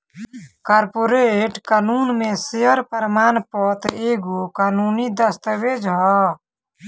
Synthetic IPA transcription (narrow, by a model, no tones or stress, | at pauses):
kaːɾpoɾeʈkaːnuːnmẽsejəɾpəɾmaːnpɔːt̪eːɡukaːnuːnid̪əst̪əʋeːd͡ʒɦɔ